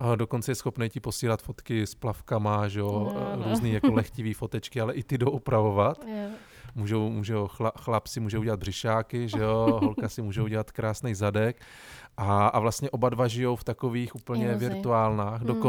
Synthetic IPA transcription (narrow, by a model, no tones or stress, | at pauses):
ado̞kont͡sɛjɛsxo̞pnɛjcɪpo̞siːlat̪fo̞t̪kɪsplafkamaʒɛoɾuːzniːjakolɛxcɪviːfot̪ɛt͡ʃkɪalɛʔɪt̪ɪdowʔupɾavovat̪ | muːʒowmuːʒɛoxlaxlapsɪmuːʒɛuɟɛlad̪brɪʃaːkɪʒɛoɦolkasɪmuːʒɛwɟɛlat̪kɾaːsnɛjzadɛk | ʔaavlast̪ɲɛʔo̞badvaʒɪjo̞wft̪akoviːxʔuːpl̩ɲɛvɪɾt̪uaːlnaːxdoko